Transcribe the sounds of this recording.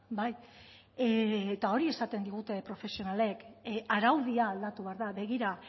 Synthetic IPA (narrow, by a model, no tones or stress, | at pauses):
baj | eːt̪ao̞ɾie̞sat̪e̞nd̪iɣ̞ut̪e̞pɾo̞fe̞sio̞nale̞kaɾawðiaːld̪at̪uβe̞aɾðaβe̞ɣ̞iɾa